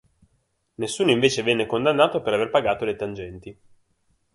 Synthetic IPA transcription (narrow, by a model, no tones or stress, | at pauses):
nesːuːnoiɱveːt͡ʃevɛnːekond̪anːaːt̪opeɾaverpaɡaːt̪olet̪and͡ʒɛnt̪i